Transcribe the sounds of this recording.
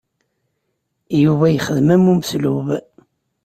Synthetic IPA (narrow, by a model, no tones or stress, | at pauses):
juvæjəχəðmæmːuməsluv